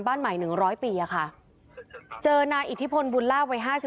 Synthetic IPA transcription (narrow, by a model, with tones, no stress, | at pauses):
nbaː˥˩nma˨˩˦jnɯ˨˩˦ŋɾɔː˦˥jpiː˧ʔa˨˩kʰa˥˩ʔ | t͡ɕɤː˧naː˧jʔi˨˩t̪ʰːi˦˥pʰo˧nbu˧nlaː˥˩wa˧˥jɦaː˥˩si˨˩